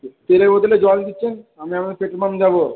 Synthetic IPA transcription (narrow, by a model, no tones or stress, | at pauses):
t̪eɾebot̪eled͡ʑɔld̪itːɕʰenamiamad̪eɾpeʈɾmamd͡ʑabo